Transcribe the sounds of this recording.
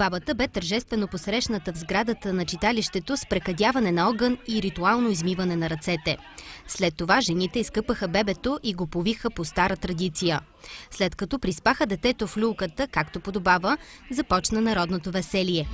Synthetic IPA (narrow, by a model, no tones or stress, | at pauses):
babət̪əbɛt̪əɾʒɛst̪vɛnoposɾɛʃnət̪əvzɡɾad̪ət̪ənɐt͡ʃit̪aliʃt̪ɛt̪ospɾɛkɐd̪ʲjavɐnɛnɐɔɡəniɾit̪ualˠnoizmivənɛnɐɾɐt̪sɛt̪ɛ | slɛt̪ːovaʒɛnit̪ɛiskɤpəxəbɛbɛt̪oʔiɡopovixəpost̪aɾət̪ɾɐd̪it̪sijə | slɛt̪kɐt̪ɔpɾispaxəd̪ɛt̪ɛt̪oflʲulˠkət̪əkakt̪opod̪obavəzɐpɔt͡ʃnənɐɾɔd̪not̪ovɛsɛlijɛ